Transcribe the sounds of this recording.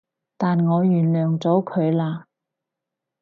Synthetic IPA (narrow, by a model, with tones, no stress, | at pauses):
t̪aː˨nŋɔː˨˧jyː˨˩nlœː˨ŋt͡sɔː˨˥kʰɵ˨˧ɥlaː˧